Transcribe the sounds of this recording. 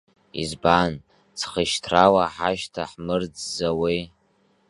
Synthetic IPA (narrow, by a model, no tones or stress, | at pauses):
ḭzban | t͡sʰχəʃtʰrawaħaʃtʰaħmɨrd͡zzawi